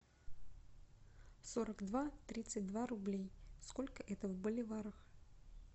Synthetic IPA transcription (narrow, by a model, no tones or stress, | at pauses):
soɾəkd̪vat̪ɾʲit̪sɨt̚ʲd̪vaɾʊblʲejskolʲkəʔɛt̪əvbəlʲɪvaɾəx